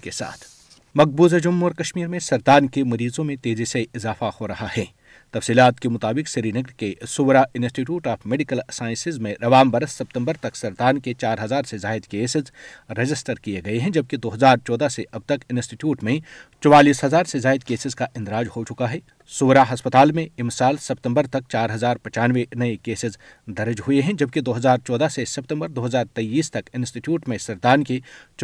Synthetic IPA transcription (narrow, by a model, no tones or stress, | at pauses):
kesa̰ːt̪ʰ | mɐk̚buːzed͡ʒʊmːɔɾkɐʃmiːɾmẽsɐɾd̪aːnkemɐɾiːzõmẽt̪eːziseɪzaːfahoɾɐɦahɛː | t̪ɐfsiːlaːt̪kemʊt̪aːbɪqsɐɾiːnɐɡɾkesʊʋɾaɪnsʈiʈ̬juːʈaːfmeɖɪkəlsaːɪ̃nsɪzmẽɾɐʋaːmbɐɾəsːɐp̚t̪ə̃mbəɾt̪ɐksɐɾt̪aːnket͡ʃaːɾɦɐzaːɾsezaːɪd̪keːsɪzɾɐd͡ʒɪsʈəɾkieɡɐeɦɛ̃d͡ʒɐb̚ked̪oːɦɐzaːɾt͡ʃɔːd̪aseʔɐb̚t̪ɐkɪnsʈiʈjuːʈmẽt͡ʃɔwaːliːsɦɐzaːɾsezaːɪd̪keːsɪzkaʔɪ̃nd̪ɾaːd͡ʒhot͡ʃʊkaɦɛː | sʊːʋɾaːɦɐspət̪aːlmẽɪmsaːlsɐp̚t̪ə̃mbəɾt̪ɐk̚t͡ʃaːɾɦɐzaːɾpɐ̃t͡ʃaːnʋenɐekeːsɪzd̪ɐɾəd͡ʒɦʊeɦɛ̃d͡ʒɐb̚ked̪oːɦɐzaːɾt͡ʃɔːd̪asesɐp̚t̪ə̃mbəɾd̪oːɦɐzaːɾt̪ɐiːst̪ɐkɪnsʈiʈjuːʈmẽsɐɾt̪aːnket͡ʃ